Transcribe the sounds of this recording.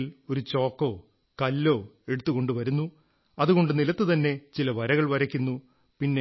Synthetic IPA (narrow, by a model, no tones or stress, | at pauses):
lo̞ɾut͡ɕo̞ːkːo̞ː | kɐlːo̞ːe̞ɽut̪ːuɣo̞ɳɖuʋɐɾunːu | ɐðuɣo̞ɳɖɨnilɐt̪ːɨt̪ɐnːe̞t͡ɕilɐʋɐɾɐɣɐɭʋɐɾɐkʲːunːu | pinːe